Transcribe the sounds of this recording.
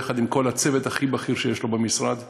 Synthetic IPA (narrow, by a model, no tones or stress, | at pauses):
χad̪imko̞lat͡sevet̪haχibaχiʁʃejeʃlo̞bemisʁad̪